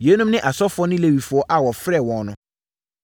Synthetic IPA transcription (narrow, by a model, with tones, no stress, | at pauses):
je˨˦nũ˦mnɪ̃˦ʔa˨sɔ˦fʊ˨˦ɔ˦nɪ̃˦le˨ɥi˨fʊ˨ɔ˦ʔa˨wɔ˨fɾɛ˦˨wɔ̃˨nʊ̃˨˦